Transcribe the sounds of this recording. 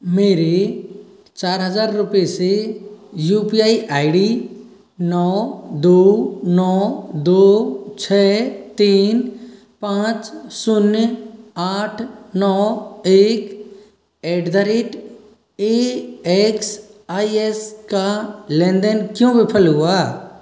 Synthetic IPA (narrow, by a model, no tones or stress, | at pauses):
meːɾe | t͡ʃaːɾɦəzaːɾːʊpese | juːpiaːiʔaːɪɖi | nɔːd̪oːnɔːd̪oːt͡ʃʰɛːt̪iːn | pãːt͡ʃsʊnjaːʈʰnɔːeːk | eːɖd̪əɾɪʈ | eeːksaːieskalɛ̃ːnd̪ənkjõʋɪpʰəlɦʊaː